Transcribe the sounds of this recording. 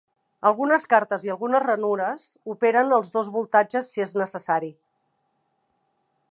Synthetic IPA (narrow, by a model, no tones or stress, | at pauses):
əlˠɣunəskaɾt̪əziəlˠɣunəzrənuɾəzupeɾənəlˠzðozβulˠt̪ad͡ʒəsːieznəsəsaɾi